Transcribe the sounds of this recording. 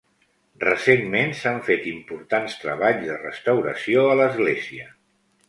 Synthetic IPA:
rəsenmensaɱfet̪impuɾt̪anst̪ɾəβaʎzðərəst̪əwɾə̰sioələzɣleziə

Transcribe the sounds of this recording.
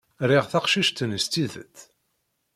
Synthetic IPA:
ɾiʁθaqʃiʃt̪ənəst̪iðə̰t̪ː

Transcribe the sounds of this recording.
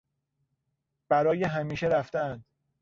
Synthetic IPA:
b̥æɾɒːjeɦæmiːʃeɾæft̪æænd̪̥

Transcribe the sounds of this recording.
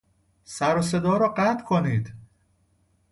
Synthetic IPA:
sæɾose̞d̪ɒːɾɒːɢæt̪kʰoniːd̪

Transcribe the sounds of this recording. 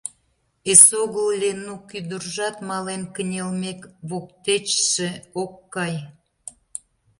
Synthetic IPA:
esoɣəllenukyd̪ərʒɑt̪mɑlenkə̆nʲelmekβokt̪et͡ɕʃeokːɑj

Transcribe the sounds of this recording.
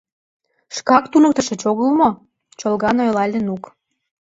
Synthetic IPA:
ʃkɑkt̪unɤk̚t̪ə̆ʃĕt͡ɕoɣəlmo | t͡ɕolɣɑnojlɑlʲenuk

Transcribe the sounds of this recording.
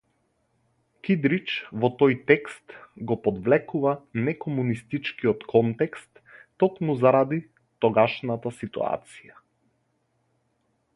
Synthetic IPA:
kid̪ɾit͡ʃvɔt̪ɔjt̪ɛkst̪ɡɔpɔd̪vlɛkuvanɛkɔmunist̪it͡ʃkiɔt̪kʰɔnt̪ɛkst̪ː | ɔkmuzaɾad̪i | t̪ɔɡaʃnat̪asit̪ṵa̰t̪sija

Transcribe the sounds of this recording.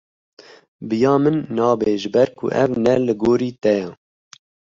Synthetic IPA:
bɨjɑːmɨnːɑːbeʒɨbɛɾkʰṵʔɛ̰vnɛlɨɡoːɾiːt̪ɛjɑ

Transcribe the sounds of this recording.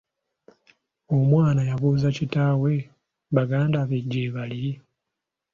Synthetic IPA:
omwaːnajaβuzacitaːwe̞ | βaɡaːndaβeɟːeːβali

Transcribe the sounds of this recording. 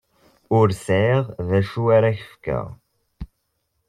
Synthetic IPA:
ʊɾsʕiʁðæʃuaɾaçə̥fkæ̰ʁ

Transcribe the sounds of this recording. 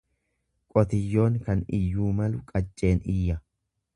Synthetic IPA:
kʼɔt̪ɪjːo̞ːŋkɐnɪjːuːmɐlʊkʼɐt͡ʃʼːe̞ːnɪjːɐ

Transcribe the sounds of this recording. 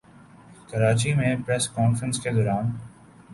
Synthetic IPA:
kəɾaːt͡ʃimẽpɾɛːskɔːnfɾə̃nsked̪ɔːɾaːn

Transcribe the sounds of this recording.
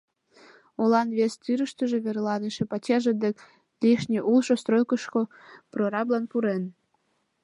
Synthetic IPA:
olɑnβest̪yɾəʃt̪ə̆ʒĕβerlɑneʃĕpɑt͡ɕɑʒĕd̪ek | liʃnʲeʔulʃost̪ɾojkəʃko | proɾɑblɑnpuɾen

